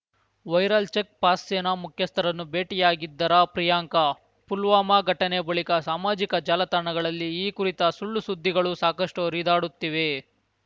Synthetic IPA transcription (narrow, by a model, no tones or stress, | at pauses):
ʋɐjɾɐlt͡ʃek̚paːsːeːnamukʰjɐst̪ʰɐɾɐnːubeːʈijaːɡid̪ːɐɾɐpɾijaːŋkɐ | pulʋaːmaɡʱɐʈɐnebɐɭikɐsaːmaːd͡ʒikɐd͡ʒaːlɐt̪aːɳɐɡɐɭɐlːiːkuɾit̪ɐsuɭːusud̪ʱːiɡɐɭusaːkɐʂʈuɾiːd̪aːɽut̪ːiʋe